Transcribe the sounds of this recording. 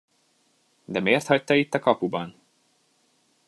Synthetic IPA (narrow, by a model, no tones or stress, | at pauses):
d̪ɛmeːrt̪hɒct̪ɒit̪ːɒkɒpubɒn